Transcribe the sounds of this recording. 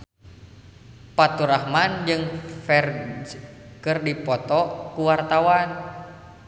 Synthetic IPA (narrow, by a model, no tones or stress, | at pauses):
pat̪uɾahmand͡ʒɨŋfɛr | kɨrdipɔt̪ɔkuwart̪awan